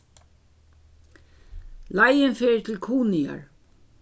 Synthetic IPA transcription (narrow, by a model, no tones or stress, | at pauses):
lajɪnfeːɹt̪ʰɪlkʰuːnɪa̰ɹ